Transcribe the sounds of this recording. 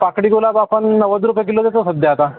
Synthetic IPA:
pakɽiɡolabapənːəʋəd͡z̪ɾupek̬ilot̪jat͡səsəd̪ʱjaɦt̪a

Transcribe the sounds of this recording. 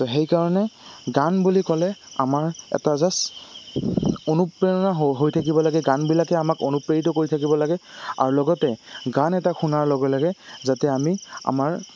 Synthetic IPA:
tɔɦejkaɹɔnɛɡanbulikɔlɛa̰maɹɛ̰tazas | onupɹeɹɔnaɦɦojtʰak̬ibɔlaɡɛɡanbilakɛamakonupɹeitɔkoɹitʰakibɔlaɡɛa̰ɹulɔɡɔtɛɡanɛtaxʰunaɹlɔɡɔlaɡɛzatɛamia̰maɹ

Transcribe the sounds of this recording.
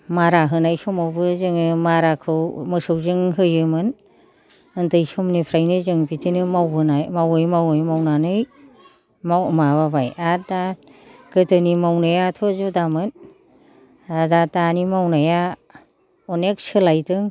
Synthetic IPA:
maɾaɦɯnajsɔmawbɯzɯŋɯmaɾakʰɯwmɯsɯwzɯŋɦɯjɯmɯn | ɯntɯjsumnipʰɾajnɯzɯŋbitʰinɯmawbɯnajmawɯjmawɯjmawnanɯj | mamaβabajatdaɡ̥ɯtʰɯnimawnajatʰɔzudamɯn | adatanimawnaja | ɔnek̚sɯlajtɯŋ

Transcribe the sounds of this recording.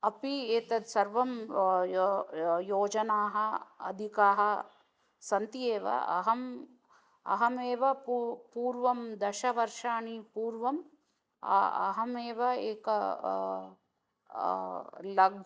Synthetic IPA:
ɐpieːt̪ɐd̪sɐɾʋɐm | joːd͡ʒɐnaːɦɐɐ̰d̪ʱikaːɦɐ | sɐnt̪ieːʋɐ̰ɐ̰ɦɐm | ɐ̰ɦɐmeːʋɐppuːɾʋɐmd̪ɐʃɐʋɐɾʂaːɳipuːɾʋɐm̰ | ɐ̰ɦɐmeːʋɐeːkɐ | lɐɡ̚

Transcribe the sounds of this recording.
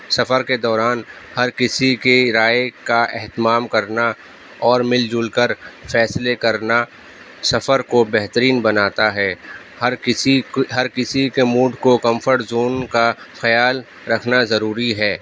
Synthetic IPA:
sɐfəɾked̪ɔːɾaːn | hɐɾkɪsikeɾaːjekaɛɦt̪ɪmaːmkɐɾna | ɔːɾmɪld͡ʒʊlkəɾfɛːslekɐɾna | sɐfəɾkobɛɦt̪əɾiːnbɐnaːt̪aɦɛː | hɾɪiɦɐɾkɪsikemuːɖʱkokɐ̃mfəɾʈzoːnka | xɐjaːl | ɾɐkʰnazɐɾuːɾiɦɛː

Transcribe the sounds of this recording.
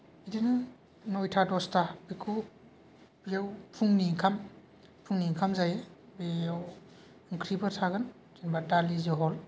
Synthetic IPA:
idinɯ | nɔjtʰadɔstabikʰu | bijawpʰuŋniŋkʰam | pʰuŋniŋkʰamzajebejaw | ɯŋkʰɾibɯtʰaɡɯn | tinbadalizɯɦɔl

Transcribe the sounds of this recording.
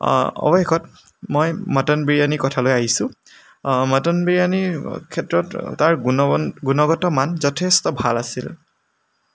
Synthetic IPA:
ɔ̰bɔkʰɔt | mɔjmɔtɔnbiɹijanikɔtʰalojaɦisʊ | mɔtɔnbiɹijanikʰɛtɹɔtːaɹɡunɔɡunɔɡɔtɔmanzɔtʰestɔbʱalasḭl

